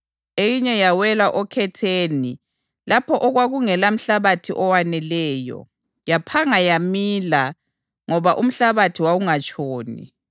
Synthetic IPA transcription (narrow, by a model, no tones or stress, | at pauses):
ejiɲɛjawɛlaʔɔkʰɛtʰeːni | lapʰɔʔɔɣwaɣuŋɛlam̩ɬaβatʰiʔɔwanɛlɛːjɔ̰ | japʰaŋajamiːla | ŋɔβaʔum̩ɬaβatʰiwawuŋat͡ʃʼʰoːnḭ